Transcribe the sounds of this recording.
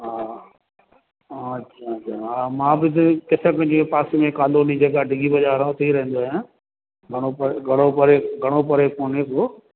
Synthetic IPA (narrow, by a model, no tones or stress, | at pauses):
ɦaː | ɐtːɕʰaɐt͡ɕʰaɦaːmãːbɪtkɪsəkə̃d͡ʑepaːsimẽkaːloːnid͡ʑeɡaɖʱɪɡibɐʄaːɾʊt̪ʰiɾɐɦə̃nd̪oːijã | ɡʱɐɽ̃opɐɡʱɐɽ̃opɐɾeɡʱɐɽ̃opɐɾekoːnesoː